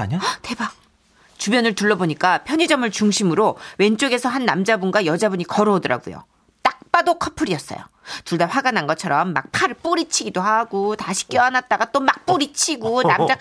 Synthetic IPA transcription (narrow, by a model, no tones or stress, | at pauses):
a̰ɲate̞ba | t͡ɕubjʌnɯɭtuɭːʌboɲik͈apʰjʌɲid͡ʑʌmɯɭt͡ɕuŋɕʰimɯɾowe̞nt͡ɕ͈oɡe̞sʰʌɦanːamd͡ʑabunɡwajʌd͡ʑabuɲikʌɾoodɯɾa̰ɡṵjo̰ | t͈ak̚p͈adokʰʌpʰɯɾiʌs͈ʌ̰jo̰ | tuɭdaɸwaɡananɡʌt͡ɕʰʌɾʌmːa̰k̚pʰaɾp͈oɾit͡ɕʰiɡidohaɡotaɕʰi̥k͈jʌanat̚t͈aɡat͈omak̚p͈oɾit͡ɕʰiɡonnamd͡ʑa